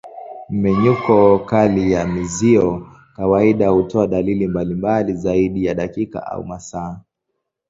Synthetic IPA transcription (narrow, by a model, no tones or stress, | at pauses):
m̩mɛɲukɔkalijamiziɔ | kawaiɗahutɔaɗalilimbalimbalizaiɗijaɗakika̰ʔa̰ṵmasaː